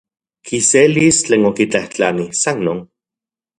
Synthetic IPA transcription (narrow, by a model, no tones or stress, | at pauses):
kʰiselist͡ɬeːnokit͡ɬaht͡ɬanisannoːn